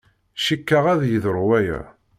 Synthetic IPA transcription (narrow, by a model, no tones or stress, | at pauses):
ʃikːaʁæðjəðəɾwæjæ̰